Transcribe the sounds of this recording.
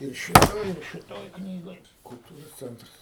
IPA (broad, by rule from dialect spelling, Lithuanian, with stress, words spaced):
ˈɪr ʃʲɪˈtoːj ɪr ʃʲɪˈtoːj ˈknʲiːɡoːj kʊlˠˈtuːroːs ˈt͡sʲɛntrɐs